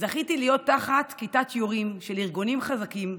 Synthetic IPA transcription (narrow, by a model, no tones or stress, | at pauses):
zaχit̪ilijo̞t̪ːaχat̪kitat̪ʰjoʁimʃeliʁɡunimχazakim